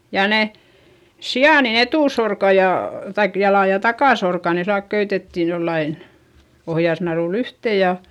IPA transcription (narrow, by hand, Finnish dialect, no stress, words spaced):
jɑ ne siɑˑn etuˑsorkɑ jɑ kɑik jɑlɑ jɑ tɑkɑˑsorkɑ ne silːɑlk køytetːi jolːɑin ohjɑsnɑruˑlː yhteˑ jɑ